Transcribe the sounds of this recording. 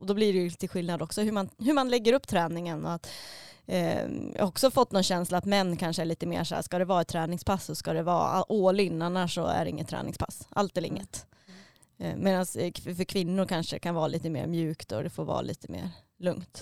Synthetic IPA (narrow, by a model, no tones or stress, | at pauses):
ɔd̪ɔblɪɾɛjɵt̪ʰɪlɧɪlnad̪ɔksɔhɵmanɦɵmanlɛɡːəɾɵpːt̪ʰɾɛːnɪŋənɔ̰at̪ | j̰hɔksɔfɔt̪ːnɔnɕɛnslaat̪mɛnːkʰanʂəæɭiːt̪əmḛːʂa̰ːskad̪ɛvɑːɛt̪ʰːɾɛːnɪŋspʰasːɔskad̪ɛvɑ̰ːa̰ʔoːlɪnːanaʂɔ̰æ̰ɖɛɪ̰ŋːət̪ʰːɾɛ̰ːnɪŋspʰasʔa̰lt̪ɛlɪ̰ŋːət̪ | meːd̪ansfœɾkʰvɪnːʊɾkʰanʂə̰kʰanvɑːɾaliːt̪əmḛːɾmjʉ̟ːkt̪ɔd̪ɛfoːɾvɑ̰ːlḭːt̪əmḛːɾ | lɵŋt̪